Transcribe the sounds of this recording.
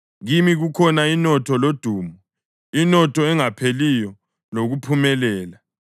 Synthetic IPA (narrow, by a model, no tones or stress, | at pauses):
ɣimiɣukʰɔnainɔtʰɔlod̥ʱuːmɔ | inɔtʰɔɛŋapʰelijɔ | loɣupʰumɛlɛːla